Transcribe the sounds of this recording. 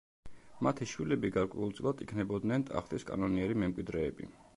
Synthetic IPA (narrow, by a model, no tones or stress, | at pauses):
mat̪ʰiʃwilɛbiɡaɾkʼwɛ̰ulˠt̪sʼilˠad̪ikʰnɛbɔd̪nɛnt̪ʼa̰χt̪ʼiskʼa̰nɔniɛɾimɛmkʼwid̪ɾɛːbḭ